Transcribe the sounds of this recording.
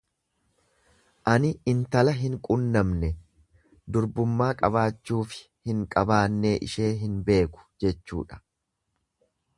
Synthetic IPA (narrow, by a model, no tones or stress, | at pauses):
ʔɐnɪɪnt̪ɐlɐɦɪŋkʼʊnːɐmnɛ | d̪ʊɾbʊmːaːkʼɐbaːt͡ʃːuːfɪ̥ | hɪŋkʼɐbaːnːeːʔɪ̰ʃe̞ːɦɪnbe̞ːkʊ̥d͡ʒɛt͡ʃːṵːᶑɐ̥